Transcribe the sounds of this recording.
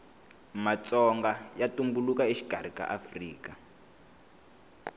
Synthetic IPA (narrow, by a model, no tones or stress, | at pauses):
mat͡sɔŋɡajatumbulukaiʃi̥ɡʱaɾ̤ika̰ʔafriːka